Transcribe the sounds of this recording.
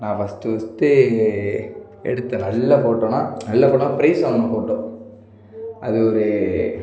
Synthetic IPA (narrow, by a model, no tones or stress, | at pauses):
nãːʋɐst̪ɯʋɐst̪ːɯ | ɛ̰ɽɯt̪ːɐnɐlːɐpoːʈːõːnaːnɐlːɐpoːʈonːaːpɪɾɐɪsɐːɐnɐ̃poːʈːõː | ɐðɯɔɾɯ